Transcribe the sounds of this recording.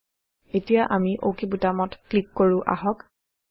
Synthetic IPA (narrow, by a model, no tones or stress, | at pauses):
etijaʔamiʔokibutamɔtklikːoɹʊ̃ʔa̰ɦɔk